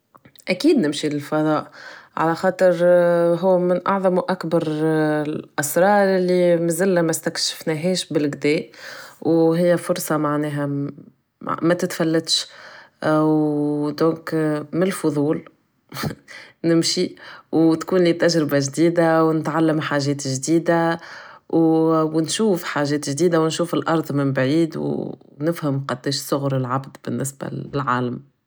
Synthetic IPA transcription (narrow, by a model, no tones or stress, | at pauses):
ʔækiːd̪nɪmʃilɪlfɑðˤɑːʔʕa̰læxɑːt̪ˤəɾɦuːmɪnʔɑʕðˤɑmwʔakbɑɾˤ | lʔɑsɾˤɑːɾˤʔɪlːimɪzɪlːæmæst̪ækʃɪ̥fnɛɦɛːʃbɪlɡd̪ɛːʔwɦɪjːæfʊɾsˤɑmaʕnɛːɦæ | mæt̪ɪt̪fælːæt̪ʃ | d̪õːkmɪlfʊðˤuːl | nɪmʃiwt̪kuːnliːt̪æʒɾɪbaʒd̪iːd̪awnɪt̪ʕalːəmħaːʒɛːt̪ʒd̪iːd̪a | wwnʃuːfħaːʒɛːt̪ʒd̪iːd̪awnʃuːfɪlʔɑɾˤd̪ˤmɪnbʕiːd̪w̰ | nɪfhəmqɑd̪ːiːʃsˤʊɣɾɪlʕabd̪b̥ɪnːɪsba̰ɪlʕaːləm